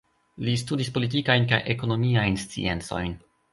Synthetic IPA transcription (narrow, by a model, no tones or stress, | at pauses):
listudispo̞lit̬ikajnka̰jʔḛko̞no̞miajnst͡sḭe̞nt͡so̞̰jn